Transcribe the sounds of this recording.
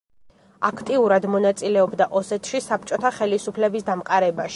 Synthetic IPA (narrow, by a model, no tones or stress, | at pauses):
akʰt̪ʼiuɾad̪mɔnat̪sʼilɛɔbd̪aʔɔsɛt̪ʰʃisap̚ʰt͡ʃʼɔt̪ʰaχɛlisupʰlɛbisd̪amqʼaɾɛbaʃi̥